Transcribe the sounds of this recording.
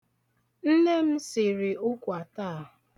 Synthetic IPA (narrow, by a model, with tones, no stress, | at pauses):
n̩˦ne˦m̩˦sɪ˨ɾɪ˨ʊ˦kʷa˨taː˦a˨ɦʊ˨